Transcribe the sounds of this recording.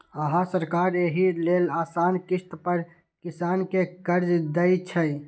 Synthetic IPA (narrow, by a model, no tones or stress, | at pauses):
əɦãsəɾkaɾeɦilelaːsankist̪pəɾ | kisaːnkekəɾd͡ʒd̪əjt͡ʃʰə